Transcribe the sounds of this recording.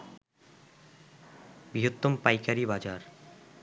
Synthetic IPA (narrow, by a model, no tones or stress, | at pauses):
biɦot̪ːompajkaɾibad͡ʑaɾ